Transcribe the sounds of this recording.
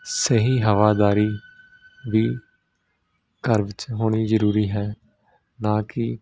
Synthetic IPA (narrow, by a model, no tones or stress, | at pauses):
səɦiːɦəʋaːd̪aːɾiː | ʋiː | kəɾʋɪt͡ʃɦoːɽ̃iːzəɾuːɾiːɦɛː | nãːkɪ